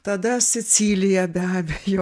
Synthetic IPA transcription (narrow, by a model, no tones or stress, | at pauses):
t̪ɐd̪ɐsʲɪt͡s̪ʲiːlʲɪjɛbʲæːbʲejo